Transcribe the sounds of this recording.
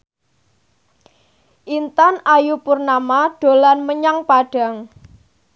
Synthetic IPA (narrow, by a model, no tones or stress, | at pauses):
ʔint̪anajupʊrnamaɖ̥o̤lanməɲaŋpaɖ̥a̤ŋ